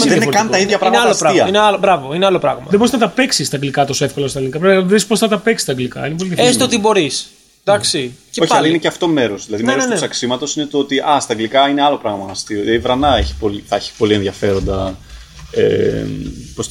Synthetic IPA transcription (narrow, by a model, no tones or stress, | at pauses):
mðennokɐnt̪ɐiðʝɐpɾɐmalosɾɐiɐineɐlbɾɐvoineɐlo̞pɾɐɣmɐðebo̞ɾiznɐt̪ɐpe̞ksist̪ɐŋɡlikɐt̪o̞soefko̞lɐst̪ɐlinikɐpɾeððispo̞sθɐt̪ɐpeksi̥st̪ɐŋɡlikɐ̰inepolinðɐfest̪ot̪ibo̞ɾis | d̪ɐksiceo̞çɐlɐineceɐft̪o̞me̞ɾozðilɐðimeɾst̪esɐksimɐt̪o̞sine̞t̪oot̪iʔɐst̪ɐŋɡlikɐineɐlo̞pɾɐɣmɐɐst̪ioivɾɐnɐeçi̥po̞liθɐeçi̥po̞lienðʝɐfe̞ɾo̞nd̪ɐ | ḛ | pos